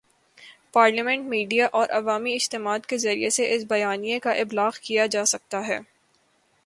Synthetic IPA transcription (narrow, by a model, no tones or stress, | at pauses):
paːɾlimɛ̃ɳʈmiːɖijaʔɔːɾʔɐʋaːmiɪd͡ʒt̪ɪmaːd̪kezɐɾieseʔɪsbɐjaːnijekaʔɪblaːɣkijad͡ʒaːsɐk̚t̪aɦɛ̰ː